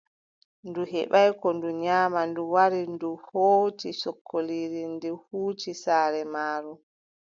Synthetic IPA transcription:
nduɦɛɓajkɔnduɲaːmanduwaɾinduhoːtisɔkʰːoliːɾindihuːt͡ʃisaːɾɛmaːɾu

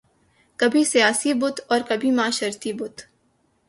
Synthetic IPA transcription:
kɐbʱisijaːsibʊt̪ɔːɾkɐbʱimãːʃɐɾt̪ibʊt̪

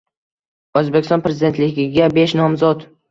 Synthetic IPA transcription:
ɵzbekʲɪ̥st̪ɒnpʰɾezɪd̪e̞nt̪lɪɡʲɪɡʲabe̞ʃnɒmzɒt̪

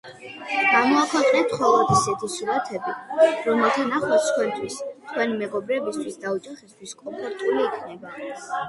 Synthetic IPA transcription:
ɡ̥amɔakʰat̪ʼɛt̪χwɛlˠat̪ʰisɛt̪ʰisuɾat̪ʰɛbiɾɔmɛlˠt̪ʰanaχwɔt̪t̪kʰwɛnt̪ʰwist̪ʰkʰwɛnimɛɡɔbɾɛbist̪ʰwisd̪aut͡ʃʼaχist̪ʰwiskʼɔmpʰɔɾt̪ʼuliːkʰnɛba

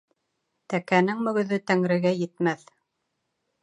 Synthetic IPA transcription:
t̪ækænɘŋmɵ̆ɡɵ̆ðɵt̪æŋɾɘ̆ɡæjɘ̆t̪mæθ

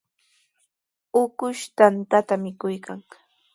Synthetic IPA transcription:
ʊkʊʃt̪ant̪at̪amɪkʊjkʰaŋ

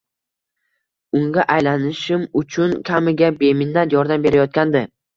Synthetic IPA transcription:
ʊŋɡʲaʔajlanɪʃɪmʊt͡ʃʰʊnkʲʰamɪɡʲabe̞mɪnːat̪jɒɾd̪ambe̞ɾajɒt̪̚kʲand̪ɪ

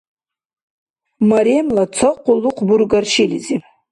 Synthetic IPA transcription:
maɾemlat͡sʰaqʷʊluqʰʷburɡarʃilizi

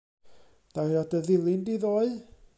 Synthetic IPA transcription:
ð̥awɾɔdəðɪlˠɪndiðoːɨ

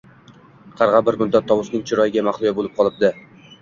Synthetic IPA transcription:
qʰɑɾʁɑbɪɾmʊd̪ːat̪ʰːɒwʊsnɪŋt͡ʃʰɪɾɒjɪɡʲamaχlˠʊjabolˠɪp̚qʰɒlˠɪp̚d̪ɪ

